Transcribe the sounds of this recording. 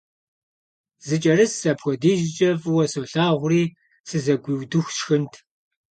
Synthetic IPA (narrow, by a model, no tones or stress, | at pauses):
zɨt͡ʃʼɐɾɨssɐpxʷɔdiːʒɪt͡ʃʼɐvwɐsoɬaːʁʷʊriː | sɨzɐɡʷiːwdɨxʷʃxɨntʰ